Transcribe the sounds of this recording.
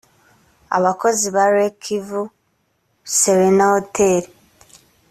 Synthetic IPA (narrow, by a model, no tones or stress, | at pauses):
a̰βako̞ziβaɾekʰivu | seɾenahotʰeɾi